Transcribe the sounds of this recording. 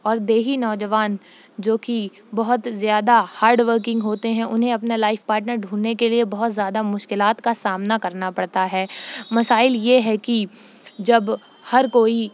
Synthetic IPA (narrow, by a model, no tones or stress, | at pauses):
ɔːɾd̪eːɦinɔːd͡ʒəʋaːn | d͡ʒoːki | bɐɦʊt̪zjaːd̪ahaːɾɖʋəɾk̬ɪ̃ŋɡɦoːt̪eɦɛ̃ʔʊnɦẽɐpnalaːɪfpaːɾʈnəɾɖʱũːnːekeliebɐɦʊt̪zjaːd̪amʊʃkɪlaːt̪kasaːmnakɐɾnapɐɽt̪aɦɛːmɐsaːɪljeɦɛki | d͡ʒɐb | hɐɾkoːi